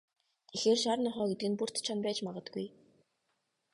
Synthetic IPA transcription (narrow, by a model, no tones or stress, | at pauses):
exeːrʃaɾnɔχœːɡet̪ɘ̆ɡɘ̆npur̥t̪t͡ɕʰanpæːt͡ɕmaʁə̆t̪ɡuj